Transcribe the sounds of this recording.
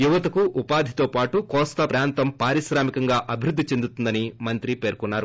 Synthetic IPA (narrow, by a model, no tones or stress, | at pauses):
juʋɐt̪ɐkuʔupaːd̪ʱit̪oːpaːʈukɔːst̪ɐpɾaːnt̪ɐmpaːɾiʃɾaːmikɐŋɡaːʔɐbʱiɾud̪ʱːit͡ʃe̞nd̪ut̪und̪ɐnimɐnt̪ɾipe̞ːɾkunːaːɾu